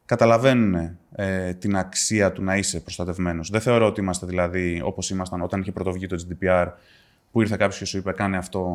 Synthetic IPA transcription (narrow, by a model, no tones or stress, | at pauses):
kɐt̪ɐlɐve̞nune̞ | t̪inɐksiɐt̪unɐise̞pɾost̪ɐt̪e̞vme̞no̞zðeθe̞o̞ɾo̞ot̪iimɐst̪e̞ðilɐðio̞̰po̞simɐst̪ɐno̞t̪ɐniçe̞pɾo̞t̪o̞vʝit̪o̞d͡zid̪ipiɐɾ | puiɾθekɐpçosce̞suipe̞kɐneɐft̪o̞